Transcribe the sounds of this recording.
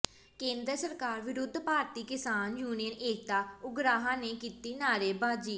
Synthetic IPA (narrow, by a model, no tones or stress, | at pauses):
kẽːnd̪ɾəsəɾkaːɾʋɪɾʊd̪ʱpaːɾt̪iːkɪsaːnjuːnijəneːk̚t̪aːʊɡɾaːɦãːneːkiːt̪iːnaːɾeːbaːd͡ʒiː